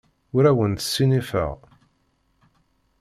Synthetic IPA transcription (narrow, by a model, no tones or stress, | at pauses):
ʊɾæwənt̪ə̥sːinifə̰ʁ